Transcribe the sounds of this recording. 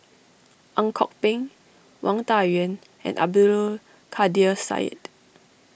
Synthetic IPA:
ʔãŋkʰɔk̚pĩŋ | wãŋtawə̃n | ɛ̰̃nʔa̰b̚dulu | kʰadiəsa̰ɪt

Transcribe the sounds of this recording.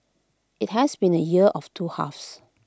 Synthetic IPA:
ɪt̚ɦɛsbĩnəjiəʔɔftʰuha̰fs

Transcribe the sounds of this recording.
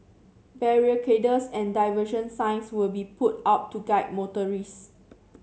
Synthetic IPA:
bɛɹiəkʰedəsɛ̃ndajvəʃə̃nsãɪ̃nswilbiput̚ap̚tuɡaɪt̚motəɹis

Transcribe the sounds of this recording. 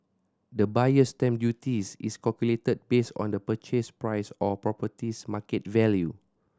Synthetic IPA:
dəbajəstɛ̃mdjutisḭskalkuletəd̚besɔ̰̃ndəpət͡ʃespɹajsɔpɹɔpətismakɛtvɛlju

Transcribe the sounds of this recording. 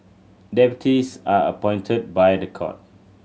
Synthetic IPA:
dɛpjutisaə̰pɔ̃j̃ntʰət̚bajdəkʰɔ̰t̚

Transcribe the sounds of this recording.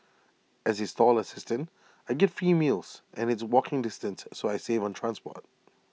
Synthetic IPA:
ʔɨzɨstɔlˠəsɪstɨ̃nt | aɪɡɛtfimilˠz̥ʔɨ̃nɨtswɔkʰɪ̃ŋdɪstɨ̃nsːoʊaɪseɪvə̃ntʰɹ̥æ̃nspɔ̰t̚

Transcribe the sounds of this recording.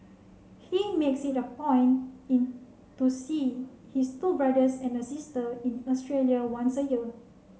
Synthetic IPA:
himeksitəpɔ̃j̃nĩn | tusi | histubɹadəsɛ̃nəsistəĩnɔstɹeljawãnsəjiə

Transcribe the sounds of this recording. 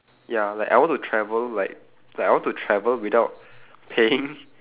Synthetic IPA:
jalaɪkʔa̰ɪwɔ̃ntutʰɹɛvəllaɪk̚ | lakawɔ̃ntutʰɹɛvəlwidaʊt̚ | pʰeɪ̃ŋ

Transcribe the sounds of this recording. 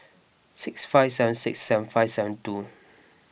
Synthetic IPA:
sɪksfaɪfsɛvə̃nsɪksːɛvə̃nfaɪfsɛvə̃ntu

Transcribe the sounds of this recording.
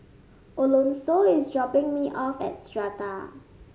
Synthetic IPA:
ʔolõnsoɪsdɹɔpɪ̃ŋmiʔɔfɛ̰t̚stɹata

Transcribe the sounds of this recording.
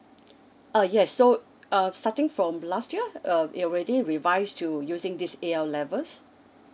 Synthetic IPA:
ajɛsːo | ʌstatɪ̃ŋfɹɔ̃mlastjiəʌḭɔɹɛdiɹivaɪstʰujuzɪ̃ŋdisealɛvəs

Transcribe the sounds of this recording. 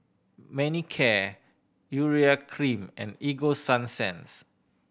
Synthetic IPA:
mɛnikʰɛ | juɹiakʰɹĩmɛ̰̃niɡosãnsɛ̰̃ns

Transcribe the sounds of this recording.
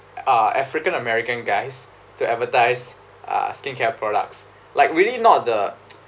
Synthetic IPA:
aɛfɹikə̃nəmɛɹikə̃nɡaɪs | tuɛtvətaɪs | ʔʌ̰skẽnkʰɛpʰɹɔɾa̰k̚s | laɪkɹilinɔt̚də

